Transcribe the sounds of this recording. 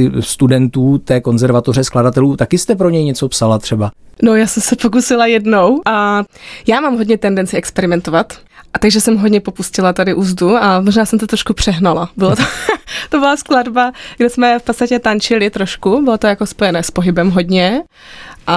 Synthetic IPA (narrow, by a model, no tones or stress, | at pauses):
ɪst̪udɛnt̪uːt̪ɛːko̞nzɛɾvat̪o̞rɛskladat̪ɛluːt̪akɪst̪ɛp̬ɾo̞ɲɛjɲɛt͡so̞psalat̪r̥ɛbanojaːsɛmsɛpok̬usɪlajɛdno̞wʔajaːmaːmɦo̞dɲɛt̪ɛndɛnt͡sɪɛkspɛɾɪmɛnt̪ovat̪ | ʔat̪aɡʒɛsɛmɦodɲɛpo̞puscɪlat̪adɪʔuːzduamoʒnaːsɛmt̪ot̪ɾoʃkupr̝̥ɛɦnalabɪlot̪ot̪obɪlaskladbaɡdɛsmɛfpott͡sst̪acɛt̪ant͡ʃɪlɪt̪ɾo̞ʃkubɪlot̪ojako̞spo̞jɛnɛːspo̞ɦɪbɛmɦo̞dɲɛ | ʔa